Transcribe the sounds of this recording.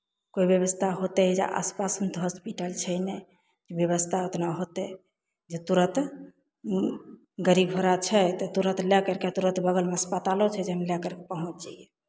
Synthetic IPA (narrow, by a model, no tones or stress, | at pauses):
koibjəβəst̪ʰaɦot̪ɛd͡ʒḛʔa̰spasənt̪ɔɦɔspiʈəlt͡ʃʰɛjnɛ | d͡ʒebjeβəst̪ʰaot̪naɦot̪ɛ | d͡ʒet̪uɾət̪ | ɡəɾibɦoɾat͡ʃʰɛt̪ɔt̪uɾət̪lɛkəɾket̪uɾə̃t̪bəɡəlmeəspət̪alot͡ʃʰɛd͡ʒeɦəmlɛkəɾkepəɦũt͡ʃd͡ʒaijɛ